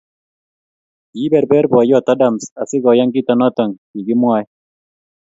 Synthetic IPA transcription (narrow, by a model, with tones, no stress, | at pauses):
i˦bɛ˨ɾbɛ˦ɾbwa˨jɔ˦˨t̪a˦da˨msa̰˨sɪ˦ɡɔ˨ja˦ŋɡɪ˦t̪ɔ˨nɔ˦t̪ɔ˨ŋki˨ɡɪ˦mwa˦j